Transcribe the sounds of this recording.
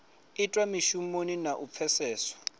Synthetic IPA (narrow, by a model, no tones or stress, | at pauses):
itʼwamiʃumoninaʔup̪fʰɛsɛːsɔ̥